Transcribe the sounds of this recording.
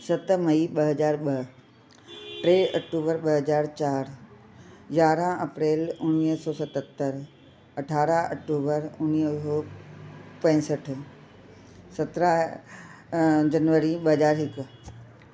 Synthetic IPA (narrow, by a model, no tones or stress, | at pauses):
sɐt̪mɐiɓəɦəd͡ʒaːɾɓəɦ | ʈɾeːɐk̚ʈuːbəɾɓəɦəzaːɾt͡ʃaːɾ | jaːɾãɐpɾeːlʊniːɦsɔːsɐt̪ət̪ːəɾ | ɐʈʰaːɾaɐ̰k̚ʈuːbəɾʊniːɦsɔː | pɐ̃ːsəʈʰ | sɐt̪ɾaɦ | d͡ʒɐnʋəɾiɓəɦəzaːɾɦɪk